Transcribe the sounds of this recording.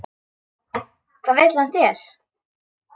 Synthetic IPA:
kʰvaːvejt̪lant̪ɛɾ̥

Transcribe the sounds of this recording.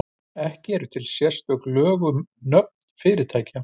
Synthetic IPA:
ɛhcɪɛɾʏt̪ʰɪlsjɛ̥st̪œklœːɣʏnœp̚nnfɪːɾɪɾ̥t̪ʰaːjca

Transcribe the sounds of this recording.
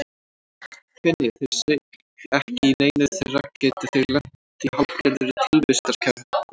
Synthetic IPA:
kvɛnːɪθɛsːɪ | ɛhcɪineːjnʏθeracɛːt̪ɪθɪɣlɛh | t̪ihawpcɛɾðʏɾɪt̪ʰɪlvɪst̪aɾskʰa

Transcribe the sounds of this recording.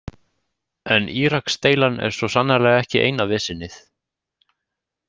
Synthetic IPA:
ɛnʔiːɾakst̪eːjlanɛ̰ɾ̥svɔsanːalɛːɣaɛhcɪʔḛjnavɪːsɪnːɪθ

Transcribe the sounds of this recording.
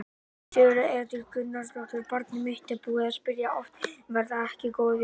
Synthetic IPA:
t̪ʏʏɾaɛɾt̪ʏɾkʏnːaɾslɔwt̪ʏɾpaɾt̪nɪmɪht̪ɪpuːḁspɪɾjaɔft̪vɛɾðaɛhcɪkoːwðɪ

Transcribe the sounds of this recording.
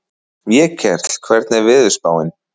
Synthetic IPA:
mjɛcʰɛɾ̥t̪l̥kʰvɛɾt̪nɛɾvɪðʏ̥spaːwɪn

